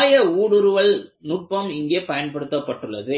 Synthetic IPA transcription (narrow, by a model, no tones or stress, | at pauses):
jɐuːɽɯɾɯʋɐɭnʊʈ̚pɐmɪŋɡeːpɐjɐnpɐɽɯt̪ːɐpːɐʈːɯɭːɐðɯ